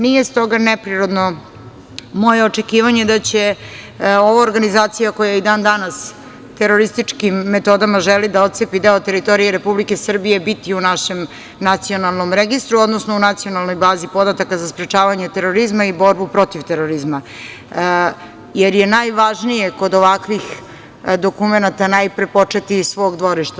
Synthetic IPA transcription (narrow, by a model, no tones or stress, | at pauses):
nijest̪o̞ɡanepɾiɾo̞d̪no | mo̞je̞ot͡ʃekiːʋaɲe̞d̪at͡ɕe̞ | o̞ʋaoɾɡanizaːt̪sijako̞jajid̪aːnd̪anas | t̪eɾo̞ɾist̪it͡ʂkimːet̪o̞d̪amaʒelid̪ao̞t̪sepid̪eot̪e̞ɾit̪o̞ɾijeɾepublike̞sr̩bije̞bit̪iunaʃe̞m | nat̪sio̞nalˠno̞mɾeɡist̪ɾuo̞d̪nosno̞unat̪sijo̞nalˠno̞jbaːzipo̞d̪at̪akazaspɾet͡ʃaːʋaɲet̪e̞ɾo̞ɾizmaibo̞ɾbupɾo̞t̪ivt̪eɾoɾizma | jeɾje̞najʋaʒnije̞ko̞d̪o̞ʋakʋix | d̪o̞kumenat̪anajpɾepo̞t͡ʂet̪isʋo̞ːɡd̪ʋo̞ɾiʃt̪a